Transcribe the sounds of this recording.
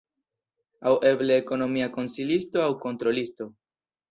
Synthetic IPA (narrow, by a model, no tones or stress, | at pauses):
awe̞bleːko̞no̞miako̞nsilisto̞awko̞ntɾo̞listo̞